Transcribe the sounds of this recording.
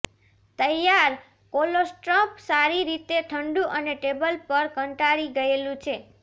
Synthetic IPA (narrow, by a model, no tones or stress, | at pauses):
t̪əjaɾ | kolosʈɾəpsaɾiɾit̪eʈʰəɳɖũʔəneʈebəlpəɾkəɳʈaɾiɡəelũt͡ʃʰe